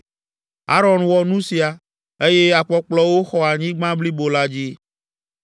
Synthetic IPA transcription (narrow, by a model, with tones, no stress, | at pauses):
a̰˦ɾɔ˨nwɔ˨nũ˦si˨a˨ | e˦je˦a˨k͡pɔ˦k͡plɔ˦wo˦xɔ˦a˨ɲĩ˦ɡ͡bã˦bli˦bo˨la˦d͡ʑi˦